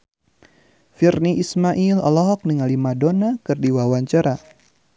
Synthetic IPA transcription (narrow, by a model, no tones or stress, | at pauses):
firniʔismaʔilɔ̰lɔɦɔk̚nəŋalimadonakɨrdiwawaɲt͡ʃaɾa